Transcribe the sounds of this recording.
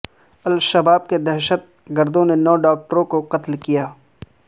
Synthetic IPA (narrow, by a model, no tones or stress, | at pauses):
ɐlʃɐbaːb̚ked̪ɛɾʃət̪̚ | ɡɐɾd̪õnenɔːɖaːk̚ʈəɾõkoqɐt̪lkijaː